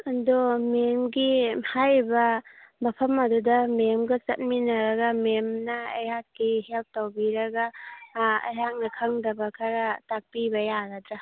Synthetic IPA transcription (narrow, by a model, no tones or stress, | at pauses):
ɐndomemɡihajbɐmɐpʰɐmɐdudɐmemɡɐsɐt̚minɐɾɐɡɐmemnɐɐ̰jhakːihelp̚towbiɾɐɡɐ | ɐ̰jɦak̚nɐkʰɐŋdɐbɐkʰaɾɐtak̚pibɐjaɾadɾa